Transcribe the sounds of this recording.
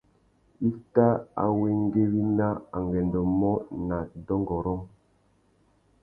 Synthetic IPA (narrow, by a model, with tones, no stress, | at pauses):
i˦ta˦a̰˨we˦ŋ˦ɡe˦wi˦na˦a̰˨ŋɡɛ˨ndɔ˨mɔ˦na˨dɔ˦ŋɡɔ˨ɾɔ˦ŋ